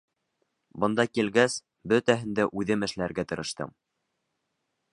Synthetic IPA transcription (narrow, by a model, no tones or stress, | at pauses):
bɤ̆nd̪ɑkilɡæs | bɵt̪æɦɘ̆nd̪æʔʉðɘmɘ̆ʃlæɾɡæt̪ɤ̆ɾɤ̆ʃt̪ɤ̰m